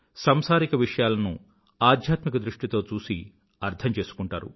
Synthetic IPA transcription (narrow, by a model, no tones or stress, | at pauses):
sɐmsaːɾikɐʋiʂɐjaːlɐnṵ | aːd̪ʱjaːt̪mikɐd̪ɾuʂʈit̪o̞ːt͡ʃuːsi | ɐɾt̪ʰɐmt͡ʃe̞ːsu̥kuɳʈa̰ːɾṵ